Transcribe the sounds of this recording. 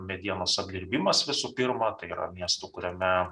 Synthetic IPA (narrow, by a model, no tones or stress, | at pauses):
mʲɛd̪ʲiɛnoːsɐb̚ʲd̪ʲɪɾʲbʲimɐsʋʲɪsuːpʲɪɾmɐt̪ɐɪiːɾɐ̰mʲiɛst̪uːkʊɾʲɛmʲɛ